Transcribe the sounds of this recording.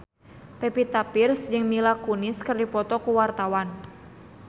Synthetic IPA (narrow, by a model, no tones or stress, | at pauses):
pɛpit̪apɪrsd͡ʒɨŋmilakunɪskɨrdipɔt̪ɔkuwart̪awan